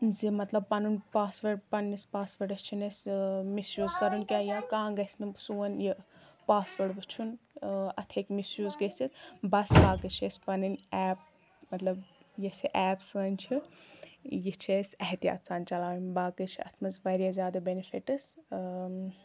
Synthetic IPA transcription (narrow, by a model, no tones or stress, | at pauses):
zimɐt̪lɐb̚pɐnunpaːsʋɐʈpɐnnispaːsʋəʈɐst͡ʃʰinesʲmisɾʲjuːzkɐɾunkʲaːjakãːɡɐsʲnɨbsuːɐnjipaːsʋəɽbɨt͡ʃʰunɐt̪ʰekmisɾjuːzɡɐsit̪bɐsbaːkɨt͡ʃʰesʲpɐnɨnɛːp̚ | mɐt̪lɐbjɐsiʔɛːpsəːnʲt͡ʃʰi | jit͡ʃʰesʲɐɦt̪ija̰ːt̪saːnt͡ʃɐlaːʋinbaːkɨt͡ʃʰiɐ̰t̪ʰmɐzʋɐɾʲjaːzʲjaːd̪ɐbenifʰiʈɐs